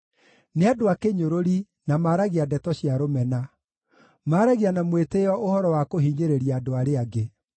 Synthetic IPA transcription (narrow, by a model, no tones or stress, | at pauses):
neadoakeɲoɾoɾi | namaɾaɣiadɛtɔɕiaɾomɛna | maːɾaɣianamweteɔʔohɔɾɔwakoɦiːɲeɾeɾiaːdoaɾeaɡe